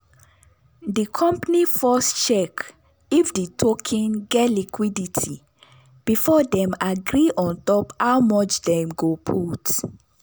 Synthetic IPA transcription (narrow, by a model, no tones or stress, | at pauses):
dikʰɔ̃mpnifɔst͡ʃɛk | ifditʰokʰĩnɡɛtlikʰwiditʰi | b̥ifɔdɛ̃maɡɹiʔɔ̃ntɔpawmɔt͡ʃdɛ̃mɡopʰut